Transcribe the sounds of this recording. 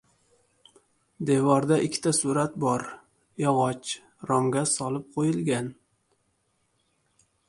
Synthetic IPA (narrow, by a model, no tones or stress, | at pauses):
d̪e̞vɒɾd̪aʔɪkʲʰːɪ̥t̪ʰasuɾat̪bɒɾ | jɒʁɒt͡ʃ | ɾɒmɡʲasɒlˠɪp̚qʰojɪlˠɡʲan